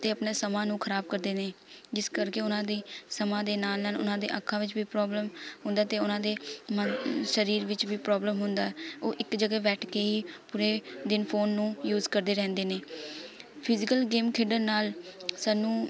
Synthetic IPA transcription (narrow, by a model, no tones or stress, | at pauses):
t̪eːəpnaːsəmãːnũːkʰəɾaːb̚kəɾd̪eːneːd͡ʒɪskəɾkeːʊnãːd̪iːsəmãːd̪eːnaːlnaːlʊ̰nãːd̪ḛːʔakʰːãːʋɪt͡ʃbiːpɾɔːbləmɦʊ̃nd̪aːt̪eːʊnãːd̪eːməʃəɾiːɾʋɪt͡ʃʋiːpɾɔːbləmɦʊnd̪aːɛoːʔɪkd͡ʒəɡeːʋɛːʈʰkeːiːpuɾeːd̪ɪnpʰoːnːũːjuːzkəɾd̪eːɾɛ̃ːnd̪eːneː | pʰɪzɪkəlɡeːmkʰɪɖəɾnaːlsaːnːũː